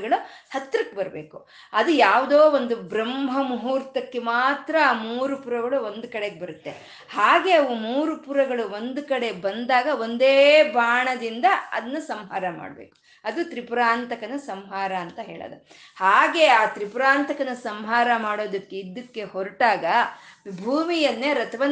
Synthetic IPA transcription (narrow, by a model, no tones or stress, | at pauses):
ɡɐɭuhɐt̪ːɾɐkːebɐɾɐbeːku | ɐd̪ujaːʋud̪oːʋond̪ubɾɐmɦɐmuɦuːɾt̪ɐkːe̞maːt̪ɾɐaːmuːɾupuɾɐɡɐɭuo̞nd̪ukɐɽeɡebɐɾut̪ːe̞ | haːɡe̞ɐʋumuːɾupuɾɐɡɐɭuo̞nd̪ukɐɽe̞bɐnd̪aːɡɐo̞nd̪eːbʱaːɳɐd̪ind̪ɐɐ̰d̪ɐnːɐsɐmɦaːɾɐma̰ːɽɐbḛːku̥ | ɐd̪ut̪ɾipɾaːnt̪ɐkɐnɐsɐmɦaːɾɐːnt̪ɐɦeːɭɐ̰ːd̪ɐ | haːɡe̞aːt̪ɾipɾaːnt̪ɐkɐnɐsɐmɦaːɾɐmaːɽoːd̪ɐkːe̞id̪ːɐkːe̞hoɾiʈaːɡɐbʱuːmijɐnːeɾɐt̪ʰɐʋɐ